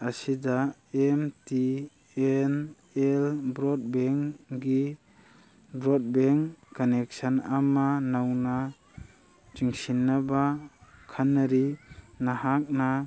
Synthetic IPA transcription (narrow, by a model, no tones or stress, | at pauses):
asidaemti | en | ɛlbɾɔd̚bɛŋɡi | bɾɔd̚beŋkɔnek̚sanamanawna | d͡ʒiŋsinːabakʰanaɾinahak̚na